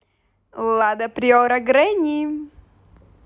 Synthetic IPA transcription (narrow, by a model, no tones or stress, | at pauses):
lˠad̪ɐpɾʲioɾɐɡɾɛnʲi